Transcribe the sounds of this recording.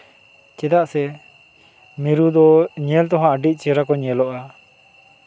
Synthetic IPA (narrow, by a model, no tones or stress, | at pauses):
t͡ʃɛd̪aʔsɛ | miɾud̪ɔɲɛlt̪ɔ̃ɦãːɖic̪̚ˀt͡ʃɛɾakɔɲɛlɔʔa